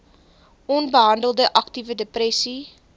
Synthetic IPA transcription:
ʔɔnbəɦɐndəlˠdəʔɐktivədeprɛsi

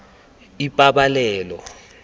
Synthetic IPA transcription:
ipʼaɓalɛːlɔ̰

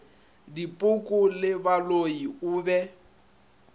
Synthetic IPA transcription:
dipʼʊkʼʊlɪbaloiʊːbɛ

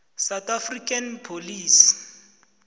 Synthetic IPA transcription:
sawtafrikʼanpʰoliːsi̥

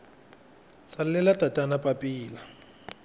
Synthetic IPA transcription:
sallɛlatʼatʼanapʼapʼiːla

